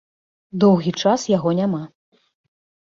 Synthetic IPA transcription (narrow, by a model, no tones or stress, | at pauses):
d̪ɔwɣʲit͡ʂasjaɣɔnʲama